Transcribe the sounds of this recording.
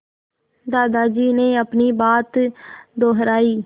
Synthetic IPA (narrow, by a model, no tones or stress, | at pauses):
d̪aːd̪aːd͡ʒiːneːəpniːbaːt̪d̪oːɦəɾaːiː